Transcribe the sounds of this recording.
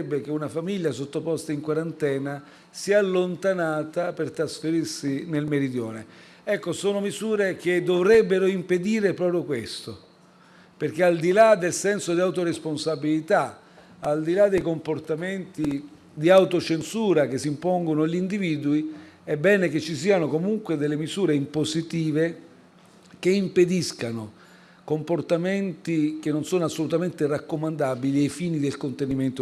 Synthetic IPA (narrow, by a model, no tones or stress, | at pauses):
bːek̟eunafamiʎjasot̪ːopɔst̪aiŋkwaɾant̪ɛːna | siaːlːont̪anaːt̪apert̪ɾasfeɾirsinelmeɾid̪jɔ̰ːne | ɛkːosoːnomizuːɾek̟ed̪ovɾɛbːeɾoimped̪iːɾepɾɔːpɾjokwest̪o | perk̟eald̪ilad̪elsɛnsod̪iawt̪oɾesponsabilit̪a | ald̪ilad̪ːejkomport̪ament̪i | d̪iawt̪ot͡ʃensuːɾak̟esːimpɔŋɡonoʎind̪iviːd̪ui | ɛbːɛːneket͡ʃːis̬iːanokomuŋkwed̪elːemizuːɾeimposit̪iːve | k̟eimped̪iskano | komport̪ament̪ikenːonsoːnoasːolut̪ament̪erakːomand̪abiliajfiːnid̪elkont̪eniment̪o